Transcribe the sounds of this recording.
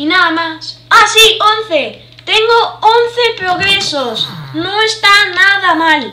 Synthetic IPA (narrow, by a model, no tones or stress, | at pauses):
inaðamasasion̟θe | t̪eŋɡoonθepɾoɣɾesosnõŋest̪anaðamal